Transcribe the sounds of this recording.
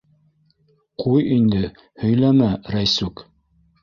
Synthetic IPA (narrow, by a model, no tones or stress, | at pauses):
qujind̪ɘ | hɵ̆jlæmæɾæjsuk